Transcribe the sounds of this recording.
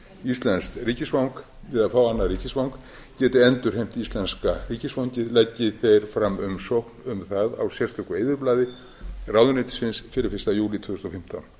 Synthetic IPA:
ist̪lɛnst̪riːcɪsvawŋk | vɪðafaːwanːaɾiːcɪsvawŋk | cɛːt̪ɪɛnt̪ʏɾ̥ɦejm̥t̪ist̪lɛnskariːcɪsvawɲcɪðlɛcːɪθejɾ̥fɾamːʏmsowknʏmθaða̰wsjɛr̥st̪ʰʏkʏeːjðʏɾplaːðɪ | raːwðʏnɪjt̪sɪnsfɪɾɪfɪ̥st̪ajuːlɪt̪ʰvʏːðʏst̪ɔfɪm̥t̪a̰n

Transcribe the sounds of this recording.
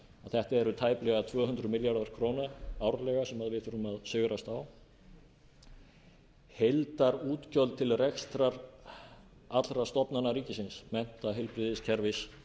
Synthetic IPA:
aθɛht̪aɛɾʏt̪ʰaːjplɛɣat̪ʰvœːɦʏnd̪ɾʏmɪljaɾðaɾ̥kʰɾoːwnaawɾlɛɣasɛmaðvɪðθuɾʏmaðsʏɣɾast̪aw | hejlt̪aɾuːt̪cœlt̪ʰɪlrɛxst̪ɾaɾ | at̪lɾast̪ɔpnanaɾiːcɪsɪnsmɛn̥t̪aɦɪlpɾɪðɪscʰɛɾvɪs

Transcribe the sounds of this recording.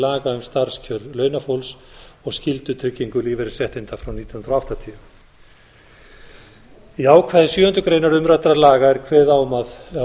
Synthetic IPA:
laːɣaʏmst̪aɾ̥scʰœɾlœːɥnafowlsɔɣscɪlt̪ʏt̪ʰɾɪcːiŋkʏliːvɪɾɪɾ̥sjɛht̪ɪnt̪afɾawniːjnnt̪ɾɔaft̪at̪ʰiʏ | iaːwkʰvaðɪsjʏːʏnt̪ʏkɾeːjnaɾʏmɾat̪ɾalaːɣaɛɾkʰvɛːðaːwmað

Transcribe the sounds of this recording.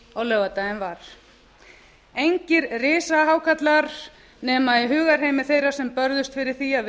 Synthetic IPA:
ɔwlœːvat̪aɪnvaɾ̥ | ejɲcɪɾrɪːsaɦaːwkʰat̪laɾ | nɛːmaðɪɦʏːɣaɾ̥ɦejmɪ̥θejrḁsɛmpœɾðʏst̪fɪɾɪɾ̥θia

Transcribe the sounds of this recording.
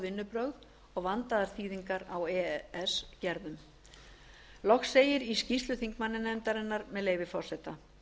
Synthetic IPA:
vɪnːʏpɾœɣð | ɔɣvant̪aðaɾ̥θiːðiŋkaɾawɛɛscɛɾðʏm | lɔxseːjɪɾiscist̪lʏθiŋkmanːɪnɛmt̪aɾɛnːaɾmɛðleːjvɪfɔ̥sɛt̪a

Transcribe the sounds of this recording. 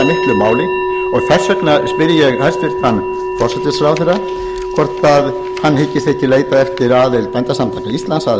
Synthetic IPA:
mɪhklʏmaːwlɪ | ɔɣθɛr̥sœknaspɪɾjɛɣajɾst̪fɪr̥t̪anː | fɔr̥sɛt̪ɪsɾawθɛrːa | kʰvɔr̥t̪að | hanːhɪcːɪst̪ɛhcɪleːjt̪aɛft̪ɪɾaːðɪlpɛnt̪asamt̪ʰaːkaist̪lansað

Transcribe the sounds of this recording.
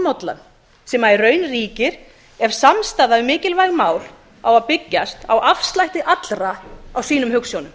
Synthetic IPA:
mɔwt̪la̰n | sɛːmaɛrrœːɥnriːcɪɾ̥ | ɛɾ̥samst̪aːðaɪmɪːcɪlvajɣmaːwl | awaðpɪcːast̪awʔafst̪lajht̪ɪʔat̪lɾaawsiːnʏmhʏksjownʏm

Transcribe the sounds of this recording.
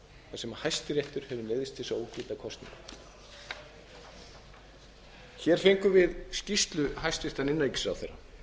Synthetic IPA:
θasɛmahajst̪ɪɾjeht̪ʏɾ̥hɛvʏmɛːðɪst̪θɪsaouwcɪːt̪akʰɔst̪nḭ̃ŋk | çɛɾ̥fejŋkʏvɪðscist̪lʏɦajst̪ɾeht̪anɪnːaecɪ̥sa̰wθejrːa̰

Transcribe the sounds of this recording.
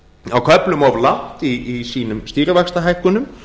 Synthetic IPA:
awkʰœplʏmɔvlaht̪iːsiːnʏmst̪iːɾɪvɛkst̪aɦajhkʏnʏm

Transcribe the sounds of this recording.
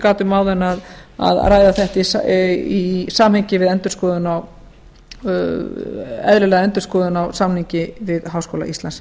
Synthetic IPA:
kaːt̪ʏmaːwðɛnːaða̰ðraːjðaθɛht̪i | isaːmhɛɲcɪvɪðɛnt̪ʏɾ̥skɔːðʏnaw | ɛ̰ðlɪlɛːɣaɛnt̪ʏ̥ɾ̥skɔːðʏnawsamnhiɲcɪvɪðɦaːwskowla̰ʔist̪lans

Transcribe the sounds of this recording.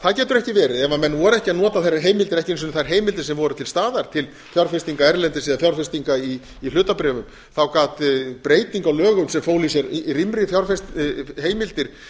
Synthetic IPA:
θaðcɛːt̪ʏɾɛhcɪvɛːɾɪðɛvamɛnːvɔɾɛhcɪanɔːt̪aθaraɦeːjmɪlt̪ɪɾɛhcɪns̬ʏnːθajɾ̥ɦeːjmɪlt̪ɪ̥sɛmvɔɾʏt̪ʰɪlst̪aːðaɾ̥t̪ʰɪl | fjawɾfɛst̪iŋkaɛɾlɛnt̪ɪsiːðafjawɾfɪst̪iŋkaiː | lʏːt̪apɾɛːvʏm | θawkaːt̪pɾeːjt̪iŋkawlœːɣʏmsɛmfoːwlisjɛɾrimɾɪfjawɾfɛst̪heːjmɪlt̪ɪɾ̥

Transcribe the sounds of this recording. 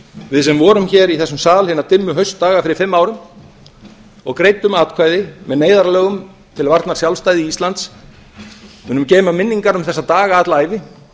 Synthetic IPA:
vɪðsɛmvɔːɾʏmçɛːɾiθɛsːʏmsaːlhɪnat̪ɪmːʏɦœɥst̪ːaːɣafɪɾɪɾ̥fɪmːaːwɾʏm | ɔɣkɾejt̪ʏmaːt̪kʰvaːjðɪmɛðneːjðaɾlœːɣʏm | t̪ʰɪlvaɾt̪naɾ̥sjawlst̪ajðɪiːst̪lant̪s | mʏːnʏmcɛːmamɪnːiŋkaɾʏmθɛsːat̪aːɣaːt̪laːjvɪ

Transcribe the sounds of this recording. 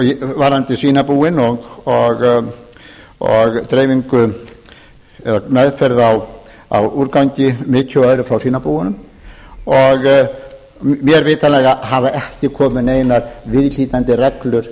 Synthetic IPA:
vaɾant̪ɪsiːnapuːɪnɔɣɔɣ | ɔɣt̪ɾeːjviŋkʏ | ɛðamɛðfɛɾðaw | a̰wuɾkawɲcɪmɪːc̪ʰʏœːðɾʏfɾawsiːnapuːwɪnʏm | ɔɣ | mjɛɾveːt̪alɛːɣaɦavaʔɛhcɪkʰɔːmɪneːjnaɾvɪðl̥iːt̪ant̪ɪrɛklʏɾ̥

